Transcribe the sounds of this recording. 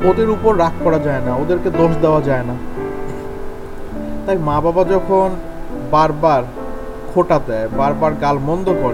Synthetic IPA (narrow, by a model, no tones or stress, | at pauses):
od̪eɾupoɾːakʰkɔɾad͡ʑaenaod̪eɾked̪oʃd̪eoad͡ʑaena | t̪ajmãbabad͡ʑɔkʰon | baɾbaɾ | kʰoʈad̪ɛebaɾbaɾɡalmɔnd̪okɔɾe